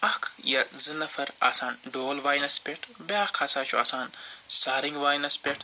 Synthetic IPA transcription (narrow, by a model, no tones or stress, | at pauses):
ɐkʰjɐzinɐfɐɾa̰ːsaːnɖoːlʋaːjnɐspʲeʈʰbaːkʰaːsaːt͡ʃʰua̰ːsaːnsaːɾiŋɡʋaːjnɐspʲeʈʰ